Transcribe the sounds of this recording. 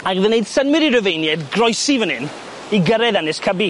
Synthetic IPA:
aɡðəneɨd̥sənwɪɾiɾəvejnjɛdɡrɔjsivənɪn | iɡəɾɛðanɪskʰəbi

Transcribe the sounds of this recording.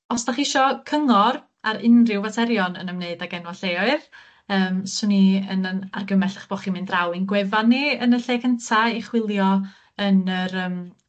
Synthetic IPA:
ɔsdaχɪʃɔkʰəŋɔr | aɾɪnrɪwvatʰɛɾjɔnə̰nəmneɨdaɡɛnwaɬeɔɨð | əːmsʊniənəna̰rɡəmɛɬḁχb̥ɔχimɪndrawɪnɡwɛvanːiənəɬeːkʰəntʰaiχwɪlˠjɔ | ənəɾəːm

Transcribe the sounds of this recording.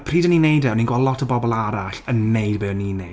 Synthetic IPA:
pʰriːdəninejdɛɔniːnɡwɔlˠɔtʰəbɔbɔlˠaɾaɬənːejdbɪninej

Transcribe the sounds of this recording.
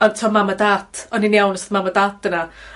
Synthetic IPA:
ɔntʰɔmamədatʰɔniniawnsθmamədatdəna

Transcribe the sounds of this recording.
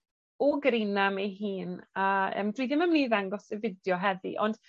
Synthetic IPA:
ɔɡəɾinameɦiːnaə̰ːmdwiːðɪməmniːðaŋɡɔsəvɪdjɔɦɛðḭʔɔnd̥

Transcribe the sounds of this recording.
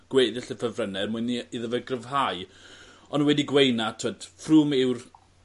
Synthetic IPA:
ɡ̥weːðɪɬəfəvrənɛrmʊɨniiðəvɛɡrəvɦaj | ɔnwɛdiɡwejnatʰəd̥fruːmɪwr

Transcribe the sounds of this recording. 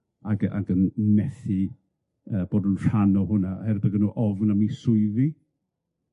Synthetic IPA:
aɡa̰ɡənːɛθi | əːb̥oːdʊnr̥anɔɦʊnahɛɾbəɡənuʔɔvnamisʊɨði

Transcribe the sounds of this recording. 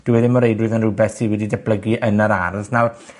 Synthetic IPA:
d̥uwɛðɪmɔɾejdwɨðənrubɛθiwɛdidab̥ləɡiʔənəɾarðnawr

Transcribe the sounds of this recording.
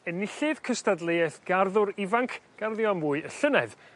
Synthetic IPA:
ənɪɬɪðkʰəstadlˠejɛθɡ̥arðʊɾɪvaŋkʰɡ̥arðjɔmvuːɨəɬənɛ̰ð

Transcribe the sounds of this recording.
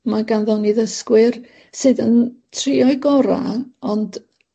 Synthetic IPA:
maɡanðɔniðəskwɪr | sɨːðəntʰriɔɨɡɔɾa̰ɔnd

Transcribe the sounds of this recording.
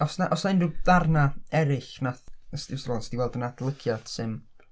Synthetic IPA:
ɔsnaʔɔsnaɪnduðarnaɛɾɪɬnaθəstɪwslˠɔnsɪdiwɛlˠdənad̥lˠəɡʰjad̥sɨn

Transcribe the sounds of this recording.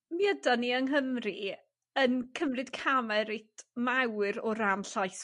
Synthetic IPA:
miədaniəŋɦəmri | ənkʰəmrɨd̥kʰamɛɾejtʰmawɾɔɾamɬajθ

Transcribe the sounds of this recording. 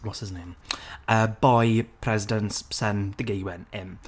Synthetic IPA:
lɔsɪznẽməːbɔjpʰr̥ɛzɪdə̃nssəndəɡejuwɛnɛm

